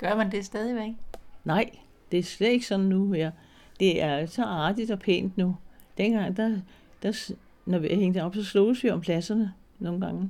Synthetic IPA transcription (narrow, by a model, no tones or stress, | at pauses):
ɡ̥ɶɐmænd̥e̝sd̥ːð̞ˠiʋeɡ̥nɑ̈ɪ̰ | d̥e̝æsled̥e̝ɡ̥sɒ̽nn̩nuheɐ̰ | d̥e̝æɐsɒ̽ɑ̈ːd̥id̥ɒ̽pʰḛːnd̥nud̥enɡ̥ɑ̈ŋ̰d̥æ | d̥æ | nɒʋiæheŋ̰d̥əɒ̽b̥sɒ̽slɔːsʋiɒ̽mpʰlæsɐnə | no̝ːn̩ɡ̥ɑ̈ŋ